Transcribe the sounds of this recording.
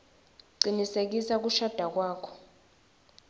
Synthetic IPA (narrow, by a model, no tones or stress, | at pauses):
ǀinisek̬isak̬uʃad̥ʱak̬waːkʰɔ̥